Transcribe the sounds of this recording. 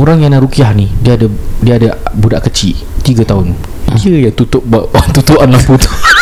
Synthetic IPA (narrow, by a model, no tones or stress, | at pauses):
oɾaŋjanaʔɾukiahnidiəadədiəadabudaʔkət͡ʃiʔt̪iɡat̪aɦʊn | dijaŋt̪ut̪ʊʔ̚bat̪ut̪uʔanlamput̪u̥